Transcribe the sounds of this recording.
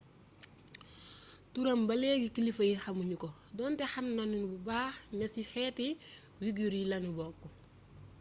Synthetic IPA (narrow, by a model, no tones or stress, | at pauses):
tuɾɐmbɐlɛːɡikilifɐjixɐmuɲukɔ | dɔːntɛxɐmnɐnunububaːxnɐsixɛːti | wiɡuɾilɐnubɔːkːɔ